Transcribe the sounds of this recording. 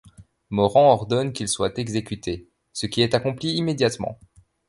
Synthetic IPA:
mɔʁɑ̃ɔʁd̪ɔnkʲilswat̪ɛɡzekʲyt̪ʰe | səkʲiɛt̪akɔ̃pliimed̪jat̪mɑ̰̃

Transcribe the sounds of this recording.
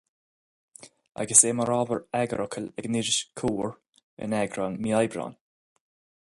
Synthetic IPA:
a̰ɡəseːməɹaːvəɹɛɡə̰ɾʔɔkʰəlɛɡnɪɾɪʃkʰuːɹ | ɪ̰nɛɡɾanmiajbɾa̰ːn

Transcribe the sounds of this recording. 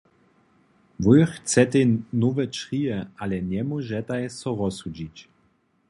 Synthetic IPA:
vujxt͡sɛt̪ɛnɔvɛt͡ʃʁijɛalɛɲɛmɔʒɛt̪ajsɔʁɔsud͡ʑit͡ɕ

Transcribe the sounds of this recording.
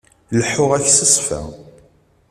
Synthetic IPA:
ləħːʊʁæçsəsˤfæ̰

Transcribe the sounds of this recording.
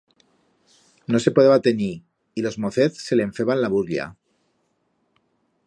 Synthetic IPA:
nose̞poeβat̪eni | ilo̞zmoθeθse̞leːɱfeβanlaβuɾlja̰

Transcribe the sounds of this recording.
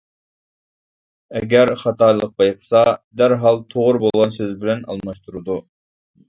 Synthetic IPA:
ɛɡʲɛɾχɑt̪ʰɑjlˠəq̚bɑjqʰə̥sɑd̪æɾɦɑlˠt̪ʰoʁʊɾbolˠʁɑnsøzbɪlɛnɑ̰lˠmɑʃt̪ʰuɾud̪u

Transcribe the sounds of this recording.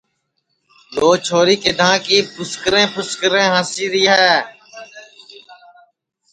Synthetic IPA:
loːt͡ʃʰoːɾiːked̪ʱãːkiːpʊskɾẽːpʰʊskɾẽːɦãːsiːɾiːɦɛː

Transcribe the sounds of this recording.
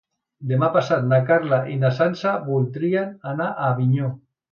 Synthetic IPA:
d̪emapasat̪̚nakaɾlaʔinasansaβulˠd̪ɾiananaʔaβiɲo

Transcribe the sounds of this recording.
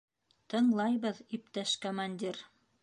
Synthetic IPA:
t̪ɤ̆ɴlˠɑjβɤðip̚t̪æʃkomanʲdʲiɾ

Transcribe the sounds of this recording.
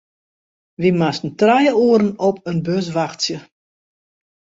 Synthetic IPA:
ʋimastən̩trajəoːəɾənɔp̚ʰənbøs̬ʋaxtsjə

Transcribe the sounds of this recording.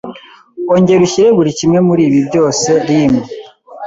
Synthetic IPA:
oɲɟe̞ɾuçiɾe̞βuɾicimŋe̞muɾiːβibjo̞ːse̞ɾime

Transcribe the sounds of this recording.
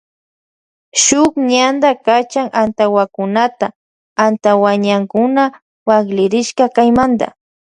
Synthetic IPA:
ʃʊkɲand̪akat͡ʃaŋant̪awakʊnat̪a | ant̪awaɲaŋkʊna | waɡlɪɾɪʃkakajmand̪a̰

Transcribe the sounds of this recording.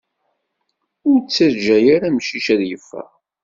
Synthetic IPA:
ʊɾt͡sːəɾd͡ʒæjaɾamʃiʃæðjəfːæ̰

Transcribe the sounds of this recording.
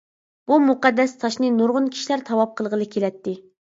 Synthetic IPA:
b̥umuqɑd̪ːɛst̪ʰɑʃnɨnuɾʁʊnkʲʰi̥ʃilæɾt̪ʰɑwɑp̚qʰəlˠʁəlˠɨkʲʰelɛt̪ːɪ

